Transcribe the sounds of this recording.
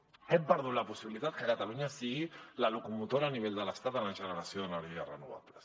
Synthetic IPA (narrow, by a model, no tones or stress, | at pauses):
ɛmpəɾðut̪lapusiβilit̪at̪̚kəkat̪aluɲasiɣilalukumut̪oɾaːniβ̞eʎd̪ələst̪at̪ənaʒənəɾasjoðənaɾiʒarənuβa̰βles